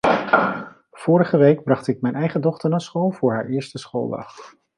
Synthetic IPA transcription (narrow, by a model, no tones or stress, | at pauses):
v̥ʊːɾəχəʋejɡ̚brɑχtɪk̚mɛjnɛjχədɔχtəɹnaːsχolˠvʊːɹɦa̰ːɹʔɪːɹstəsχo̰lˠdɑ̰χ